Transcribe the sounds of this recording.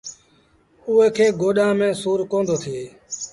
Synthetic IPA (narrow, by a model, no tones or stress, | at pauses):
uːɦeːkʰeːɡoːɗãːmẽːsuːɾkõːnd̪oːt̪ʰɪeː